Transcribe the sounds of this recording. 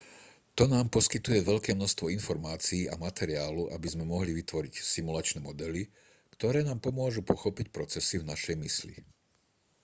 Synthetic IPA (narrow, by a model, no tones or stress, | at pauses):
t̪ɔnaːmpɔskit̪ujɛʋɛʎkɛːmnɔʃst̪ʋɔinfɔɾmaːt͡siːa̰mat̪ɛɾiaːluʔabizmɛmɔɦliʋit̪ʋɔɾicsimulat͡ʃnɛːmɔd̪ɛli | kt̪ɔɾɛːnaːmpɔmʊɔʒupɔxɔpicpɾɔt͡sɛsivnaʃɛjmislḭ